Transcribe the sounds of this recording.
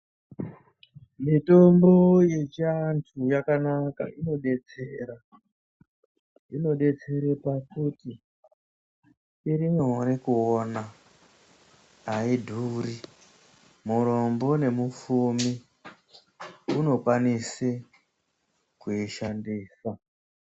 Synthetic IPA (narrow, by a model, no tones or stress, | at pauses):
mito̞mbo̞je̞t͡ʃiantʰujakanaka̰ino̞ɗe̞t͡seɾa | ino̞ɗe̞t͡se̞ɾepakuti | iɾimonekuona | idʱuri | muɾo̞mbo̞ne̞mufumi | uno̞kwanise | kuiʃandiːsa